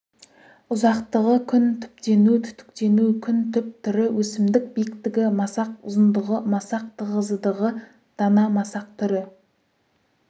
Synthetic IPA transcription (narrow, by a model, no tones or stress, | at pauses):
ʊzɑqt̪əʁəkʲʰʏnt̪ʰʏ̥pt̪e̞nut̪ʰʏ̥t̪ʏ̥kt̪e̞nukʲʰʏnt̪ʰʏp̚t̪ʰʏɾɪwʔɵsɪmd̪ɪk̚bijɪkt̪ɪɡʲɪmɑsɑqʊ̰zənd̪əʁəmɑsɑq̚t̪ʰəʁəzəd̪əʁə | d̪̥ɑnɑmɑsɑq̚t̪ʰʏɾɪ